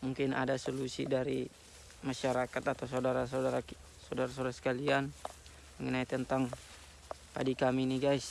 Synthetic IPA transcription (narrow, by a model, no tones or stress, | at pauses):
muŋkɪna̰dasolusḭdaɾi | maʃaɾakat̪at̪awsaudaɾasadaɾa | sawdaɾasowdaɾasə̥kalian | məŋənait̪ənt̪aŋ | pa̰dikaminiɡajs